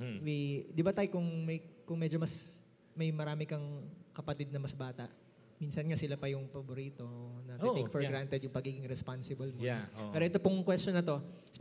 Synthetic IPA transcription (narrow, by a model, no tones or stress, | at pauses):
wid̪ɪbat̪aːjkʊŋmɐjkʊŋmɛd͡ʒomɐs | mɐjmɐɾaːmɪkɐŋkɐpɐt̪id̪̚nɐmɐsbaːt̪ɐ̰ʔ | miːnsɐnŋɐsɪlapɐjʊŋpɐboɾiːt̪o̞nɐt̪ejkfɛɾɡɾant̪ɛd̪jʊŋpɐɡiːɡɪŋɾɛspansɪbɐlmoɛːɾoʔɛt̪opʊŋkwɛst͡ʃonɐt̪o̞ | s